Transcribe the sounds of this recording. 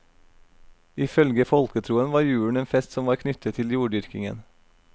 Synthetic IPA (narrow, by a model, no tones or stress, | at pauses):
ɪːfœlɡəfɔlkət̪ʰɾuːənʋɑːɾjʉːɳ̩eːnfɛst̪sɔmʋɑːɾkʰnʏt̪ʰət̪ʰɪljuːɖʏɾkɪŋə̰n